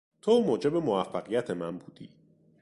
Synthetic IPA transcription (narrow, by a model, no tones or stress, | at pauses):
t̪ʰomoːd͡ʒe̞bemoæfːæɣijæt̪ʰemænbuːd̪̥iː